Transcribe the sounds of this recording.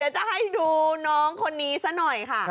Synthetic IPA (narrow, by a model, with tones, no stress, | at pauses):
dɛː˦˩wt͡ɕa˨˩ɦa˥˩jduː˧nɔː˦˥ŋkʰo˧nːiː˦˥sa˦˥nɔ˨˩jkʰa˥˩